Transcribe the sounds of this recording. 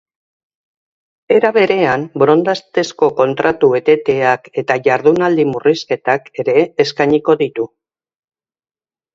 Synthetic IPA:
e̞ɾaβe̞ɾe̞ambɾo̞nd̪ast̪e̞sko̞ko̞nt̪ɾat̪ue̞t̪e̞t̪e̞ake̞t̪aʝaɾð̞unald̪imuriske̞t̪ake̞ɾe̞ːskajɲiko̞ðit̪u

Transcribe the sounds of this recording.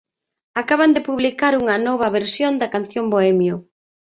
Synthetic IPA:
akaβand̪ɪpuβlikaɾuŋɐnɔβ̞ɐβeɾsjond̪ɐkanθjomboɛmjo

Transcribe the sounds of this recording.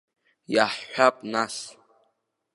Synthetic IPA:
jaħːʷᶣapʼnas

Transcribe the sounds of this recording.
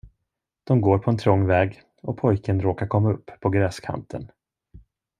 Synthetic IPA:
d̪̥ɔmɡoːɾpʰɔɛnt̪ʰɾɔŋːvɛːɡ | ɔpʰɔjkənɾoːkaɾkʰɔmːaɵpːpʰːɔɡɾɛːskʰa̰nt̪ʰə̰n

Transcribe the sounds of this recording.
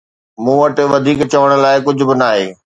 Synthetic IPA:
mũːʋɐʈ̆ʋɐd̪ʱiːkt͡ɕɐʋəɽ̃ʊ̆laːɪkʊd͡ʑʱʊ̆bɪnaːɦeː

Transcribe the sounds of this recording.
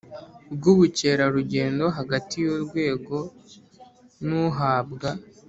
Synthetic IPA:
bɡuβuce̞ɾaɾuɟe̞ːndo̞ɦaɡatijoɾɡwe̞ːɡo̞ | nuɦaːbɡa

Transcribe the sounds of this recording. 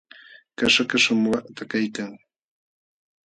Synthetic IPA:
kaʃakaʃamʊwaʔt̪akajkaŋ

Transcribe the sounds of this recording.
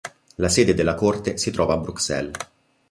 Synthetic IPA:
laseːd̪ed̪elːakort̪esit̪ɾɔːvaːbɾuksɛ̰l

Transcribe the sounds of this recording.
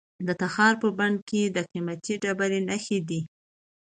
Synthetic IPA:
d̪ət̪axɑɾpəbaɳɖ̚ked̪əqimat̪iɖabaɾenaxed̪i

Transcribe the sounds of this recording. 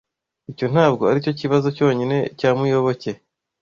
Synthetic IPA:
ico̞n̥haːb̚ɡo̞aɾico̞ciβazo̞co̞ːɲine̞caːmujo̞βo̞ce̞

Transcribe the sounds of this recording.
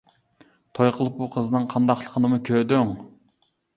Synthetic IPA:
t̪ʰojqʰəlˠɨp̚buqʰəzɨnɨŋqʰɑnd̪ɑχlˠə̥qʰənɨmukʲʰød̪yŋ

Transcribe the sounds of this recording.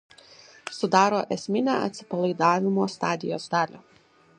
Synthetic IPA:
sʊd̪ɑːɾoːʔɛsʲmʲɪnʲæ̰ːʔɐ̰t̪ʲsʲɪ̥pɐlˠɐɪd̪ɑːʋʲɪmoːst̪ɑːd̪ʲɪjo̰ːsd̪ɑːlʲoː

